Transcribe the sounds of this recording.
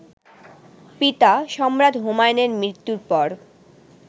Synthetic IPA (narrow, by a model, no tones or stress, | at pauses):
pit̪aʃɔmɾad̪ʱɦomajneɾmɾit̪ːuɾpɔɾ